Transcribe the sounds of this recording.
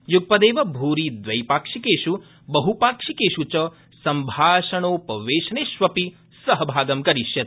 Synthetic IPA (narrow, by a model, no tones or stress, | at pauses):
juɡ̚pɐd̪eːʋɐbʱuːɾid̪ʋɐjpaːkʂikeːʃu | bɐɦupaːkʂikeːʃut͡ʃɐ | sɐmbʱaːʃɐɳoːpɐʋeːʃɐneʃʋɐpi | sɐɦɐbʱaːɡɐmkɐɾiʃjɐt̪